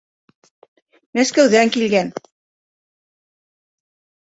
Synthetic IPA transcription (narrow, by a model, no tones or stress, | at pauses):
mæskæwðæŋkilɡæn